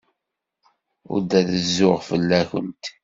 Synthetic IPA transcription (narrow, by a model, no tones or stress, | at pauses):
ʊ̰ɾd̪æðəzːʊʁfəlːæçənt̪